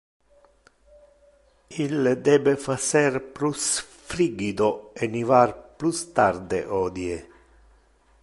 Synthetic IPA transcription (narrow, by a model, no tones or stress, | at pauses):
ild̪ɛːbefasɛrpɾus | fɾiɡid̪oenivarplust̪ard̪ḛʔɔːd̪je